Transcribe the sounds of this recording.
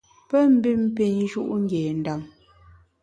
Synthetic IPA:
pɛ˦m̩˦bi˦m˦pi˦˨n˦ʒu˦ʔŋ̩˦ɡjɛː˨n̩˨da˦˨m

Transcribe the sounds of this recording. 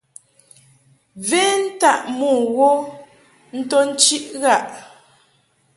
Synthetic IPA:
vɛ˦n̩˦ta˦˨ʔmɔː˦˨ɣo˦ | n̩˦tɔ˦n̩˦t͡ʃi˦ʔɣa˦˨ʔ

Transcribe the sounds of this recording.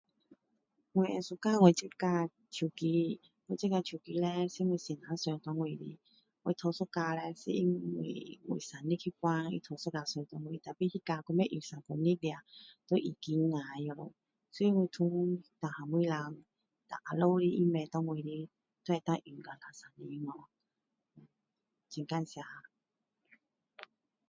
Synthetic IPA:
ŋwe˨ɛ̃˨su˧ka˧˨˧ŋwe˨t͡ɕi˦ka˧ | t͡ɕʰju˨˩ki˧˦ | ŋwe˨t͡ɕi˦ka˧t͡ɕʰju˨˩ki˧lɛ˧si˦ŋwe˧˨sɛ˨nã˨˦sɛ˧ŋt̪ɔ˧ŋwi˨ɾḭ˧˦ | ŋwe˨t̪ʰo˧so˦ka˧lɛ˧si˦i˧ŋḭ˨ŋwḭ˨sa˨˩nĩ˦kʰi˦kwa˧˦ŋḭ˧˦t̪ʰo˧˨so˦ka˧˨se˧t̪ɔ˧˦ŋwi˧˨t̪a˨pi˦hi˦ka˧ku˧˦me˦ʔi˨˩˨sã˨ŋpo˨nĩ˦dja˨t̪o˧˦ʔi˨ki˧˦ŋa˨˧jo˧˦ | so˧˦i˧˦ŋwi˧˨t̪ʰũ˧ŋt̪a˨ha˨mwi˧˦la˧ŋ | t̪a̰˨ʔa˨lo˧˦ɾi˧ʔi˦mɛ˧˨t̪ɔ˧ŋwi˨ɾi˧˦ | t̪e˨˧t̪ã˦˧ʔi˨˩ɡa˨la˨sa˨ni˧ŋɔ˧˨ | t͡ɕi˧˨ŋka˧˨nsja˧˨

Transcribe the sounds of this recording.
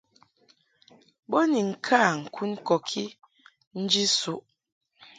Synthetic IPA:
bo˦ni˨ŋ̩˨kʰa˦˨ŋ̩˨kʰu˦n˦kɔ˨kʰi˦ | n̩˦d͡ʒi˦su˨ʔ

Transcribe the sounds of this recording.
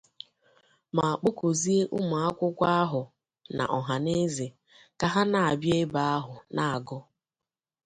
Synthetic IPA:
ma˨a˨k͡po˦ko˨zi˦e˦ʔʊ˦mʊ˨a˦kʷʊ˦kʷa˦a˦ɦʊ˨ | na̰˨ʔɔ˨ɦa˨ne˦ze˨ | ka˨ɦa˦na˨a˨bje˦ba˦a˦ɦʊ˨na˨a˨ɡɔ˦

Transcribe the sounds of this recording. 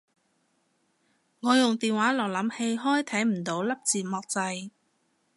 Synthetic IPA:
ŋɔː˨˧jʊ˨ŋt̪iː˨nwaː˨˥lɔː˨˩klɐ˨˧˥mhe˧jɦɔː˥jt̪ʰɐ˨˥jm̩˨˩t̪o˨˥wlɐ˥p̚t͡siː˨˩mɔː˨˧k̚t͡sɐ˧j

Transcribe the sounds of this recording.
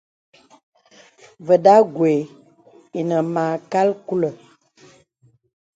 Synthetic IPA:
və˨da˦ɡwe˨ | i˨nə˨mã˨ka˦lku˦lə˨

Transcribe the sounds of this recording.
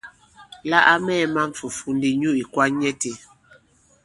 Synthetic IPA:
la˦ʔa˦mɛː˦˨ma˦ɱ̩˨fu˨fu˨ndi˨ɲu˦i˨kwa˦ɲɛ˦te˨

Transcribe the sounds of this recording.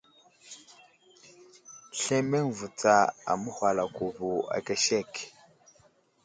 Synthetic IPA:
ɬe˦me˦ŋvu˨t͡sa˨a̰˨mu˦xwa˨la˨ku˨vu˨a̰˨ke˦ʃe˦˨k

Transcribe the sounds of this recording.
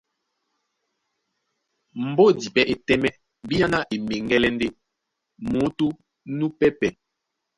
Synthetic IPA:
m̩˨bɔ˦di˨pɛ˦ʔe˨tɛ˦mɛ˦ | bi˦ja˦na˦ʔe˨me˨ŋɡɛ˦lɛ˦n˦de˦ | mo˨˦to˦ | nu˦pɛ˦pɛ˨

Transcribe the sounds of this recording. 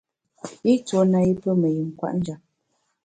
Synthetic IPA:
i˦t͡so˨˦na˨i˦pə˦mə˨ji˨ŋ˨kwa̰˦ʔn̩˦d͡ʒa˨p̚

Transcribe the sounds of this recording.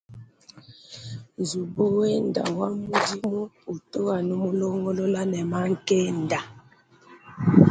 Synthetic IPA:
n˨zu˨bu˦we˦n̩˨da̰˨wa˦mu˦di˦mo˦u˨to˦a˨nu˦mo˦lo˦ŋɡɔ˦lo˦la˦nɛ˨ma˦ŋ̩˦˨ke˦n˨da˨

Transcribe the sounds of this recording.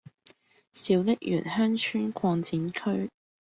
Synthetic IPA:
siː˨˧wlɪ˥k̚jy̰ː˨˩nhœː˥ŋt͡ʃʰyː˥nkʰwɔː˧nt͡siː˨˥nkʰɵ˥ɥ

